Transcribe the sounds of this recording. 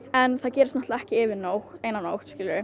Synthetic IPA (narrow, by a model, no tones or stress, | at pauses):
ɛnθaðcɛːɾɪst̪nɔt̪laɛhcɪɪvɪnowxeːjnano̰wht̪scɪlːʏɾɪ